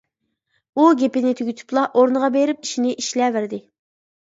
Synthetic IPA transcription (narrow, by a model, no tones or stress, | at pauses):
uɡʲepɪnɪt̪ʰyɡʲyt̪ʰy̥plˠɑʔoɾnɨʁɑbeɾɪp̚iʃinɪʔiʃlɛvæɾd̪ɪ